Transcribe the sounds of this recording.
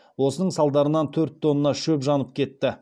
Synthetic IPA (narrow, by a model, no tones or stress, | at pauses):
wo̞sənəɴsɑlˠd̪ɑɾənɑnt̪ʰɵɾt̪ʰːo̞nənɑʃɵpʒɑnəp̚kʲʰe̞t̪ːɪ